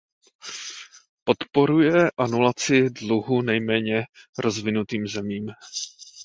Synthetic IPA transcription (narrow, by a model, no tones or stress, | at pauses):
po̞t̪po̞ɾujɛʔanulat͡sɪdluɦunɛjmɛːɲɛɾʔo̞zvɪnut̪iːmzɛmiːm